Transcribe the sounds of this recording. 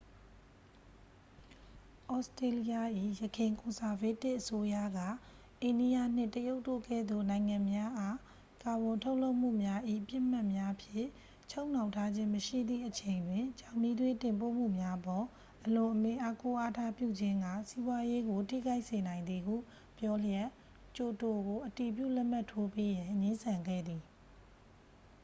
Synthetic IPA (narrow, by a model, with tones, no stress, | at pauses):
ʔɔ˦ste˨li˦ja˦˨ʔḭ˦˨jəkʰɪ̃˨ŋkʊ̃˨sa˨ve˦tɪ˦ʔəso˦ja̰˦˨ɡä̰˦˨ | ʔẽ˨ndi˦ja˦˨n̥ɪ̰̃˦˨təjo˦ʊtːo̰˦˨kɛ̰˦˨d̪ðo̰˦˨nã˨ɪ̃ŋã˨mja˦ʔa˦ | ka˨bʊ̃˨ntʰo˦ʊʔlo˦ʊʔm̥ṵ˦˨mja˦ʔḭ˦˨pjɪ˦ʔm̥a˦ʔmja˦pʰjɪ̰̃˦˨ | t͡ɕʰo˦ʊ̃n̥ã˨ʊ̃tʰa˦d͡ʑɪ̃˦məʃḭ˦˨d̪ðḭ˦˨ʔət͡ɕʰẽ˨ɪ̃ndwɪ̃˨t͡ɕã˨ʊ̃ni˦dwe˦tɪ̃˨mpo̰˦˨m̥ṵ˦˨mja˦ʔəpɔ˨ | ʔəlʊ̃˨ʔəmɪ̰̃˦˨ʔa˦ko˦ʔa˦tʰa˦˨pjṵ˦˨d͡ʑɪ̃˦ŋɡä˦˨si˦bwa˦je˦ɡo˨tʰḭ˦˨ɡa˦ɪʔse˨nã˨ɪ̃nd̪ði˨ɦṵ˦˨ | pjɔ˦lə˦jɛ˦˨ʔ | t͡ɕo˨to˨ɡo˨ʔəti˨p̬jṵ˦˨lɛ˦ʔm̥a˦˨tʰːo˦pe˦jã˨ɲɪ̃˦nsʰã˨ŋɡɛ̰˦˨d̪i˨